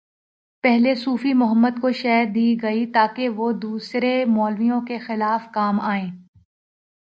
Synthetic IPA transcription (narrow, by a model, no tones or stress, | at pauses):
pɛɦlesuːfimʊɦəmːəd̪̚koʃɛːɾd̪iːɡɐit̪aːkeʋod̪uːsɾemɔːlʋijõkexɪlaːfkaːmaːẽː